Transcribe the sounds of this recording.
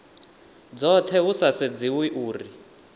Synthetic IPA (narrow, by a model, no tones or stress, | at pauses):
d͡zɔt̪ʰɛɦusased͡ziwiʔuːri